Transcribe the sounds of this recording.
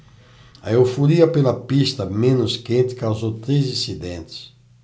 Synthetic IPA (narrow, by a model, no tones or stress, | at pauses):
a̰ewfuɾiɐpelɐpist̪ɐmẽnʊskẽnt̪ɪ̥kawzowt̪ɾezĩsid̪ẽnt̪ɪ̥s